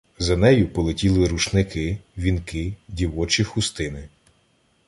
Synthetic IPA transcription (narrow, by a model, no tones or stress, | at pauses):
zɐnɛjʊpɔlˠetʲilˠɪɾuʃnɪkɪʋʲinkɪdʲiwɔt͡ʃixʊst̪ɪnɪ